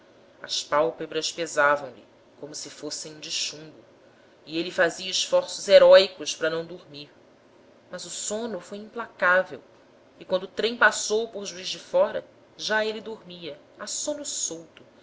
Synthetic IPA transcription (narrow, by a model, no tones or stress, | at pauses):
ɐ̰spawpebɾɐspezavɐ̃w̃lḭ | kõmʊsɪfosẽj̃ũd͡ʒɪʃũbʊ | ielifaziɐiʃfɔɾsʊzeɾɔjkʊʃpɾɐnɐ̃w̃d̪oɾmiɾ | mɐzʊsõnʊfojĩplakavḛw | ɪkwɐ̃nd̪ʊːt̪ɾẽj̃pasowpoɾʒuizd͡ʒɪfɔɾɐ̰ | ʒaelid̪oɾmiɐ | asõnʊsowt̪ʊ